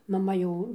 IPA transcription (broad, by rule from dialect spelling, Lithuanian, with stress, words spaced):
mɐˈmɐ ˈjɛʊ